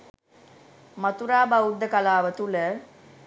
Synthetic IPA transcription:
mat̪uɾaːbaud̪ːəkalaːʋət̪ulə

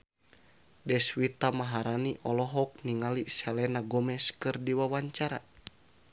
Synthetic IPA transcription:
dɛswit̪amaɦaɾaniʔɔlɔɦɔk̚niŋalisɛlɛnaɡɔmɛskɨrdiwawaɲt͡ʃaɾa

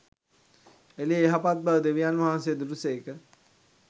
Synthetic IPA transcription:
elieeɦapat̪̚bəʋəd̪eʋijanʋɐɦãnsejəd̪uɾuseːkə

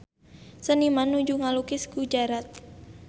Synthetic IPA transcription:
sənimanud͡ʒuŋalukɪsɡ̥ud͡ʒaɾat̪̚

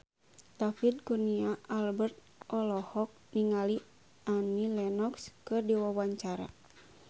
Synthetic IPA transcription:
t̪afit̪̚kurniaalbɛrt̪̚ | ʔɔlɔhɔk̚niŋali | anilɛnɔkskɨdiwawaɲt͡ʃaɾa̰

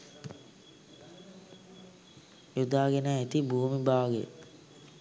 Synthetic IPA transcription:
ud̪aːɡenaet̪ibuːmibaːɡḛ

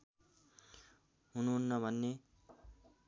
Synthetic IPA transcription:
ɦunuɦunːʌbʱʌnːe

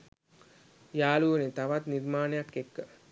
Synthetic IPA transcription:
jaːluənit̪aʋat̪niɾmaːnəjakːekːə

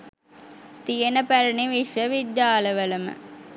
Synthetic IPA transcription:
t̪ijənəpæɾəɳiʋiʃʋəʋid̪jaːləʋələmə̰

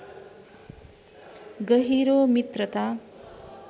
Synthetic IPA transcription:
ɡʌɦiɾomit̪rʌt̪a

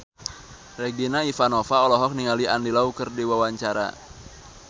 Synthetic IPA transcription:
reɡinaifanɔfaɔlɔɦɔk̚niŋaliandilaukərdiwawaɲt͡ʃaɾa̰

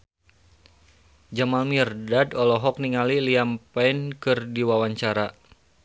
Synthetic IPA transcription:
d͡ʒamalmirdadɔlɔɦɔk̚niŋaliliampainkɨrdiwawaɲt͡ʃaɾa

